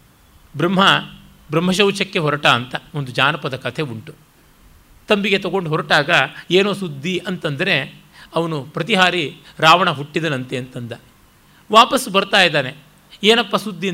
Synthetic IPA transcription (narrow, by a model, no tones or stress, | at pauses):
bɾɐm̤ːɦɐ | bɾɐm̤ːɐʃɐwt͡ʃɐkːe̞ɦɔɾɐʈaːnt̪ɐond̪ud͡ʒaːnɐpɐd̪ɐkɐt̪ʰe̞uɳʈu̥ | t̪ɐmbiɡe̞t̪ɐɡo̞ɳɖuɦɔɾɐʈaːɡɐeːnoːsud̪ʱːiɐnt̪ɐnd̪ɐɾe̞ | ɐʋɐnupɾɐt̪̬iɦaːɾiɾaːʋɐɳɐɦuʈːid̪ɐnɐnt̪eɐnt̪ɐnd̪ɐ | ʋaːpɐsbɐɾt̪aːjd̪aːne | eːnɐpːɐsud̪ʱːi